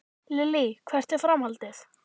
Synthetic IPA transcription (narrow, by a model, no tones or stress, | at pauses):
lɪlikʰvɛr̥t̪ɪfɾamhalt̪ɪθ